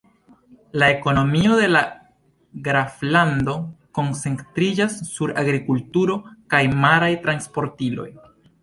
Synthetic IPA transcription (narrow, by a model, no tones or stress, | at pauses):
lae̞ko̞no̞mio̞de̞la | ɡɾafland̪o̞ko̞nt͡se̞ŋtɾid͡ʒasːuɾa̰ɡɾikultuɾo̞kajmaɾajtɾanspo̞ɾtilo̞̰j